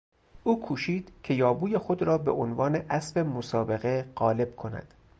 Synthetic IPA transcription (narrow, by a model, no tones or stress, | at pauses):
ʔuːkʰuːʃiːd̪̥cʲʰe̞jɒːbuːjexod̪ɾɒːbe̞̰ʔonvɒːne̞ʔæsfe̞mosɒːbe̞ɣe̞ɢɒːle̞b̥̚kʰo̞næ̰d̪̥